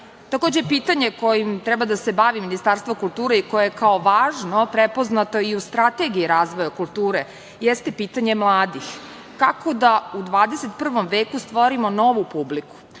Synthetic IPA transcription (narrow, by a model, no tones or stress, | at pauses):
t̪akoːd͡ʑepiːt̪aɲe̞kojimt̪ɾɛbad̪ase̞baʋiminist̪aːɾst̪ʋakulˠt̪uːɾeikojejekaoʋaːʒnopɾepo̞znat̪o̞iust̪ɾat̪e̞ɡiiɾaːzʋojakulˠt̪uːɾe | jɛst̪e̞piːt̪aɲe̞mlˠaːd̪ix | kako̞d̪aud̪ʋaːd̪eset̪pr̩ʋo̞mʋeːkust̪ʋo̞ɾimo̞no̞ʋupubliku̥